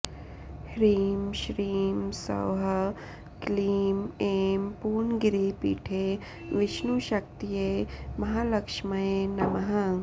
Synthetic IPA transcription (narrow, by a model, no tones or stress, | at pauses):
hɾiːmʃɾiːmsɐ̰wɦɐ | kliːmeːmpuːnɡɪɾipḭːʈʰeː | ʋɪʃnuʃɐk̚t̪ijemɐɦaːlɐkʃmɐjenɐmɐɦã